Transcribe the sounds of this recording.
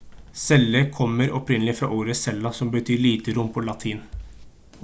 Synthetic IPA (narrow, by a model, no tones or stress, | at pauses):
sɛləkʰɔmːəɾʔɔpɾɪnəlɪfɾɑ̰ʔuːɾəsɛlːɑsɔmbət̪ʰyːɭiːt̪əɾʊmpʰɔlɑt̪ʰiːn